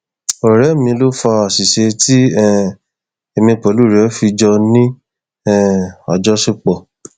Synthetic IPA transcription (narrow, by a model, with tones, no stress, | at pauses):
o˨ɾɛ˨˦mĩ˧lo˦fa˧a˨si˨ʃe˧ti˦ɛ˦˨ | e˧mĩ˧pɔ˨˦lu˦˨ɾɛ˨˦fi˧d͡ʒɔ˧nĩ˦ | ɛ˦˨a̰˨d͡ʒɔ˨˦se˦k͡pɔ˨